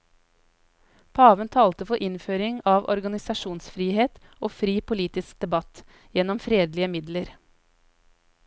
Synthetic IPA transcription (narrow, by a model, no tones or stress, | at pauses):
pʰɑːʋənt̪ʰɑːlt̪əfɔɾʔɪnføːɾɪŋɑːʋʔɔ̰ɾɡɑnɪsɑʃuːnsfɾiːheːt̪ | oːfɾiːpʊliːt̪ɪsk̚d̪̥ɛbɑt̪ | jɛnɔmfɾeːd̪lɪəmɪd̪ləɾ